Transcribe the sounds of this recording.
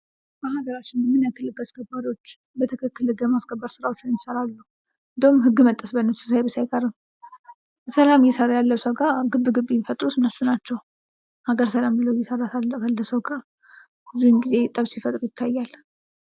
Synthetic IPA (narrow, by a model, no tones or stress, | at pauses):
bəhaɡəɾat͡ʃːɪnmɨnjakʰɨlːɨɡaskʰəbːad̪o̞t͡ʃː | bət̪ʰɨkʰɨkːɨlɨɡəmaskʰʼəbːəɾsɨɾawot͡ʃːɪnnsəɾalːu | ɨɨnd̪əwumɦɨɡːɨmət̪ʼːəsbənːəsu̥sajbəsajkʼəɾɨm | səlamjɛsəɾajalːəwsəwɡaɡɨbːɨɡɨbːijfət̪ʼɾusɨnəsunat͡ʃːɛw | haɡəɾsəlambɨləwjɛsəɾasalːəjalːəsəwɡa | bɨzunɡize̞t̪ʼəβsifət̪ʼɾujɪt̪ʰːajːal